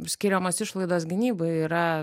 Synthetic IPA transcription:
sʲkʲɪɾʲɛmoːsɪʃlˠɐɪd̪oːsɡʲɪnʲiːbɐɪiːɾɐ

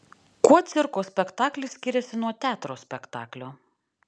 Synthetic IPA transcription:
kuɔt̪sʲɪɾkoːsʲpʲɛkt̪ɑːklʲɪsʲkʲɪɾʲɛsʲɪnuɔt̪ʲæːt̪ɾoːsʲpʲɛkt̪ɑ̰ːklʲoː

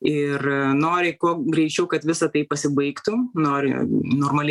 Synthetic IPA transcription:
ɪrnoːɾʲɪkuɔɡɾʲɛɪt͡ʃʲɛʊkɐt̪ʋʲɪsɐt̪ɐɪpɐsʲɪbɐɪkt̪ʊnoːɾʲɪ̰noːrmɐlʲ

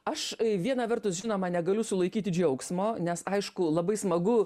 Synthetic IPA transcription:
ɐʃʋʲiɛnɐʋʲɛrt̪ʊsʒʲɪnoːmɐnʲɛɡɐlʲʊsʊlˠɐɪkʲiːt̪ʲɪd͡ʒʲɛʊksmoːnʲɛsɐɪʃkʊlˠɐbɐɪsmɐɡʊ

